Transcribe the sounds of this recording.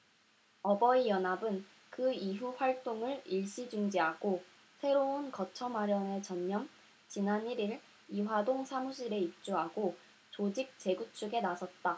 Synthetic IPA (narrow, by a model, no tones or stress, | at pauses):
ʌbʌijʌnabɯn | kɯiɦuɸwaɭt͈oŋɯɭiɭɕ͈id͡ʑuŋd͡ʑiɦaɡ̥o | sʰe̞ɾoɯnkʌt͡ɕʰʌmaɾjʌne̞t͡ɕʌɲːʌm | t͡ɕinaniɾiɾ | iwadoŋsʰamuɕʰiɾe̞ip̚t͡ɕ͈uɦaɡo | t͡ɕod͡ʑik̚t͡ɕ͈e̞ɡut͡ɕʰuɡe̞nasʰʌt̚t͈a